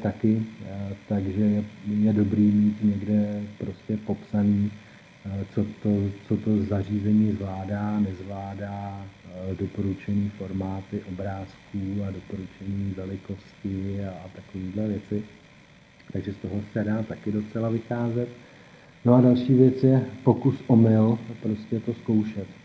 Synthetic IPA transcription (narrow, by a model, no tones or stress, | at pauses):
t̪akɪt̪aɡʒɛjɛjɛdo̞bɾiːmiːt̪ɲɛɡdɛpɾo̞scɛpo̞psaniː | t͡so̞t̪o̞t͡so̞t̪o̞zar̝iːzɛɲiːzvlaːdaːnɛzvlaːdaː | do̞po̞ɾut͡ʃɛniːfo̞ɾmaːt̪ɪʔo̞bɾaːskuːado̞po̞ɾut͡ʃɛniːvɛlɪko̞scɪaːt̪akoviːdlɛvjɛt͡sɪ | t̪aɡʒɛst̪o̞ɦosɛdaːt̪akɪdo̞t͡sɛlavɪxaːzɛt̪ | no̞adalʃiːvjɛt͡sjɛpo̞kusʔo̞mɪlpɾoscɛt̪o̞sko̞wʃɛt̪